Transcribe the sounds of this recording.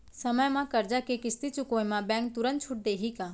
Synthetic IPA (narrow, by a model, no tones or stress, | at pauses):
səməjmãkɐɾd͡ʒakekɪst̪it͡ʃʊkoːemãbɛ̃ːŋk̚t̪ʊɾə̃nt̪t͡ʃʰʊʈ̚d̪eːɦiːkãː